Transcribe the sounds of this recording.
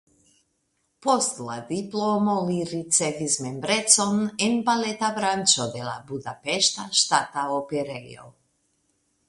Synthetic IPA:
pɔst̪lˠad̪iplˠomoliɾit̪sɛvizmɛmbɾɛt̪sɔnɛnbalɛt̪abɾant͡ʃɔd̪ɛla̰bud̪apɛʃt̪aʃt̪at̪aopɛɾɛjo̰

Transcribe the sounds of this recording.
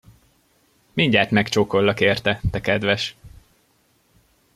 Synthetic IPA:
miɲɟaːt̪mɛkt͡ʃoːkolːɒkeːrt̪ɛt̪ɛkɛd̪ʋɛʃ

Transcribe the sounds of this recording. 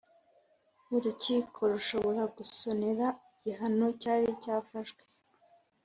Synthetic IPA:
uɾuciːkʰo̞ɾuʃo̞βo̞ɾaɡuso̞ne̞ɾaiɟiɦano̞caːɾicaːfaʒɡwe

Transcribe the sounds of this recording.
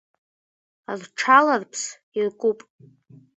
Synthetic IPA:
arʈ͡ʂʰalarpʰs | irkʷʼupʼ

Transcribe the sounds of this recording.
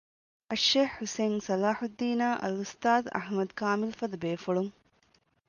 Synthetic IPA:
ɐʃːeːhːuseːnsɐlaːħud̪ːiːnaːʔɐ̰lust̪aːd̪ɐ̰ħmɐd̪kaːmilfɐd̪ɐbeːfuɭuŋ

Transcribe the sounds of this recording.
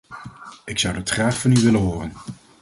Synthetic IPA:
ɪksʌwdɑtχraːχfɑnyʋɪləɦoːrən

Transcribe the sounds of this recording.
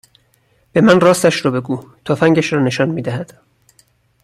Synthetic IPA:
b̥emænrɒːst̪æʃɾɒːbe̞ɡuːt̪ʰofæŋɟæʃɾɒːne̞ʃɒːnmiːd̪æhæd̪̥

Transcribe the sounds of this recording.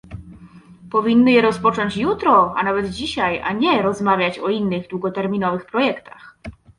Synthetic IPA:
pɔvʲinːɘjɛɾɔspɔt͡ʂɔɲt͡ɕjut̪ɾɔa̰navɛd̪d͡ʑiɕaja̰ɲɛɾɔzmavʲjat͡ɕɔinːɘɣd̪wuɡɔt̪ɛɾmʲinɔvɘxpɾɔjɛkt̪ax

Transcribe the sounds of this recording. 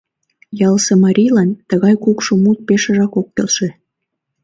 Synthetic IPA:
jɑlsemɑɾʲijlɑnt̪əɣɑjkukʃomut̪̚peʃə̆ʒɑkokːelʃe

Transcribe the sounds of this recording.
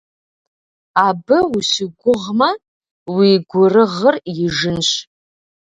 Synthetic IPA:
abɨusɪɡʷʊʁma | wiɡʷʊrɨʁərjɪʐɨnʃ

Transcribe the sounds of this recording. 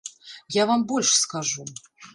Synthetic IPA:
javambɔlʲʂskaʐu

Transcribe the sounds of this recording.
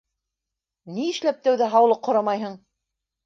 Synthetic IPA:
niɘ̆ʃlæp̚t̪æwðæɦɑwlˠɤqʰːŏɾɑmɑjɦɤɴ

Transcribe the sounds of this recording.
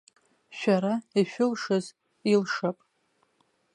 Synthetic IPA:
ʃᶣaɾaiʃᶣʊlʂɨz | ilʂapʼ

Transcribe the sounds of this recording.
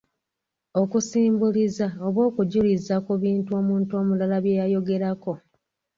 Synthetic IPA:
o̞kusiːmbulizaoβwo̞ːkuɟulizakuβiːntuo̞muːntuo̞mulalaβjejajo̞ɡe̞ɾako̞

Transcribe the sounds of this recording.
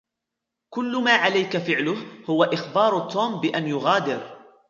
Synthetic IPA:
kʊlːʊmaːʕalajkafɪʕlʊhhʊwaʔɪxbɑːɾˤʊt̪ʰːoːmbɪʔanjʊɣaːd̪ɪɾ

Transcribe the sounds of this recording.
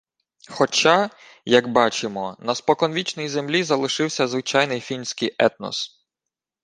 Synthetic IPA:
xɔt͡ʃa | jɐɡbɑt͡ʃɪmɔnɐspɔkɔnʋʲit͡ʃnɔjzemlʲizɐlˠɪʃɪwsʲɐzʋɪt͡ʃɑjnɪjfʲinsʲkɪjʔɛt̪̚nɔ̰s

